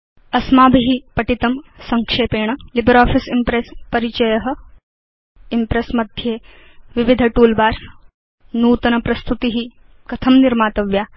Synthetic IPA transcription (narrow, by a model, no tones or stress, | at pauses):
ɐsmaːbʱiɦipɐʈit̪ɐmsɐŋkʂeːpeːɳ̃ɐlibɐɾaːfisimpɾespɐɾit͡ʃɐjɐɦɐ̆ | impɾesmɐd̪ʱjeː | ʋiʋid̪ʱɐʈuːlbaːɾ | nuːt̪ɐnɐpɾɐst̪ut̪iɦi | kɐt̪ʰɐmniɾmaːt̪ɐʋjaː